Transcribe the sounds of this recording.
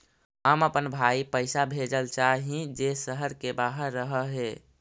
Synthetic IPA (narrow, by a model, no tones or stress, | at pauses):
ɦəməpənbʱaipəɪsabʱed͡ʒəlt͡ʃaɦĩd͡ʒesəɦəɾkebaɦəɾːəɦəɦe